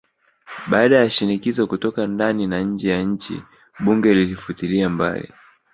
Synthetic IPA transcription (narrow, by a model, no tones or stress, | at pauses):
ɓaːɗajaʃinikizɔkutɔkandaninaɲ̩d͡ʒɛjaɲ̩t͡ʃḭ | ɓuŋɡɛlilifutiliamba̰lḭ